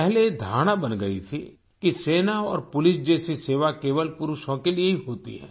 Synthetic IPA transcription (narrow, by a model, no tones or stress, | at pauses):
pɛɦled̪ʱa̰ːɽ̃abɐnɡɐḭt̪ʰḭ | kiseːnaɔ̰ːɾpʊlɪsd͡ʒɛːsiseːʋakeːʋəlpʊɾʊʃõkelieɦiɦoːt̪ḭɦɛ̰̃ː